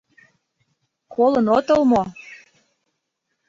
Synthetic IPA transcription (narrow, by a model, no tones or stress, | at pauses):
kʰolənot̪ɤlmo